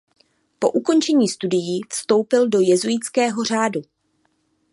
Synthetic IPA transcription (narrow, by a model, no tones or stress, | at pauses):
po̞̰ʔuko̞nt͡ʃɛɲiːst̪udɪjiːfst̪o̞wpɪldo̞jɛzujɪt͡skɛːɦo̞r̝aːdu